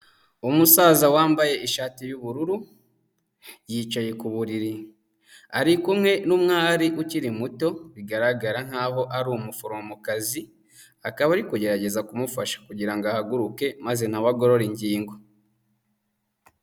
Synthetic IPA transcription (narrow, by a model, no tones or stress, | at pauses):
umusaːzawaːmbaje̞ʔiʃaːtijuβuɾuɾu | jiːt͡ʃaje̞kuβuɾiɾi | aɾikumŋe̞numŋaːɾiʔuciɾimuto̞βiɡaɾaɡaɾaŋ̥haːɦo̞ʔaɾumufoɾomomukazi | akaβaɾikuɟe̞ɾaɟe̞zakumufaʃḁkuɟiɾaŋɡoahaɡuɾuke̞maze̞naβaɡo̞ɾo̞ɾiɲɟiːŋɡo̞